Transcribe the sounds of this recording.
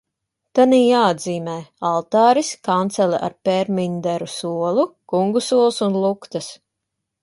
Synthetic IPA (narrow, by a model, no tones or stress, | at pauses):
t̪aniːjaːad̪ziːmɛːjalˠt̪aːɾiskant̪sɛlʲɛʔa̰ɾpɛɾmʲiɲd̪æɾusuɔlˠukuŋɡusuɔlˠsunlˠukt̪as